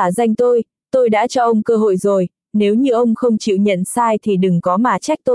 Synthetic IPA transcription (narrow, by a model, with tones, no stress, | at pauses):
aː˧˩za˧jŋ̟t̪o˧j | t̪o˧jɗa̰ː˧˥t͡ɕɔ˧ʔə˧wŋ͡mkəː˧ɦo̰˧˨jzo˨˩j | ne˨˦wɲɨ˧ʔə˧wŋ͡mxə˧wŋ͡mt͡ɕḭ˧˨wɲə̰˧˨nsaː˧jt̪ʰi˨˩ɗɨ˨˩ŋkɔ˨˦maː˨˩t͡ɕa˦˥k̚t̪o˧j